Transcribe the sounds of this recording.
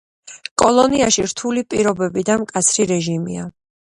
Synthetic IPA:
kʼɔlˠɔniaʃiɾt̪ʰulipʼiɾɔbɛbid̪amkʼat̪sʰɾiɾɛʒimia

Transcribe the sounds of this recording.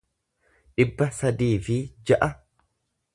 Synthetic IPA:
ᶑɪbːɐsɐd̪iːfɪd͡ʒɐʔɐ

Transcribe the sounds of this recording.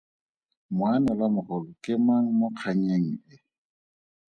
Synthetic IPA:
mwanɛlamʊχʊlʊkʼɪmaŋ̩moq͡χʰaɲeŋ̩ɪ

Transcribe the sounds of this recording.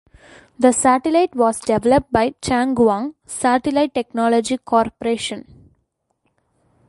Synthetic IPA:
d̪əsæʈɪlaɪʈʋɔːzɖeʋɛləp̚ʈ̚baɪt͡ʃæ̃ŋɡʋãŋ | saʈɪlaɪʈːeknɔːlɔd͡ʒikʰɔːɾpəɾeːʃə̃n

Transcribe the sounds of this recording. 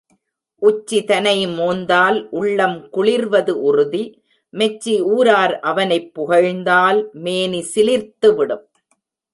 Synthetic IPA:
ʔʊt͡ʃːit̪ɐnɐɪmoːnd̪aːlʔʊɭːɐmkʊɭɪɾʋɐðɯʔʊrʊði | mɛt͡ʃːiuːɾaːɾʔɐʋɐnɐɪpːʊɣɐɻnd̪aːlmeːnisɪlɪɾt̪ɯʋɪɽɯm

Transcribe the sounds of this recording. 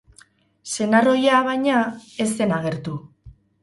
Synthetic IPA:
se̞naro̞jaβajɲae̞se̞naɣ̞e̞ɾt̪u

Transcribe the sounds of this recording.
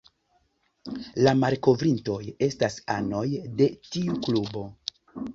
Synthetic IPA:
lamaɾko̞vɾinto̞je̞stasa̰no̞jde̞tiuklubo̞

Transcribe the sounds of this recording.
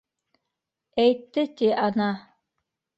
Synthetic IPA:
æjt̪ːɘt̪iɑnɑ

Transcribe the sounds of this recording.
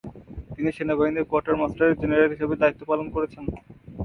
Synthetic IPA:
t̪iniʃenabaɦineɾkoaɾʈaɾmasʈaɾeɾd͡ʑeneɾaelɦiʃebed̪ait̪ːopalonkoɾet͡ɕʰen

